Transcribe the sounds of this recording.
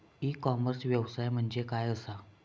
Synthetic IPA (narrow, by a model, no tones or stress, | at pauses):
ikɔməɾsʋjəʋsajm̤əɳd͡zekajəsa